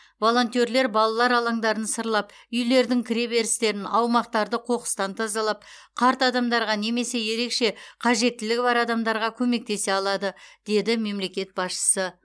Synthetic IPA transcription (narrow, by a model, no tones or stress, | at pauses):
vo̞lˠo̞nt̪ʲie̞ɾle̞ɾbɑlˠɑlˠɑɾɑlˠɑŋd̪ɑɾənsəɾlˠɑp | ʏjle̞ɾd̪ɪŋkʲʰɪɾe̞be̞ɾɪst̪e̞ɾɪnɑwmɑq̚t̪ɑɾd̪əqʰo̞qə̥st̪ɑnt̪ʰɑzɑlˠɑp̚qʰɑɾt̪ɑd̪ɑmd̪ɑɾʁɑne̞me̞se̞je̞ɾe̞kʃe̞qʰɑʒe̞t̪ːɪlɪkʲbɑɾɑd̪ɑmd̪ɑɾʁɑkʲʰɵme̞k̚t̪e̞se̞ɑlˠɑd̪əd̪̥e̞d̪ɪme̞mle̞kʲe̞t̪̚bɑsʃə̥sə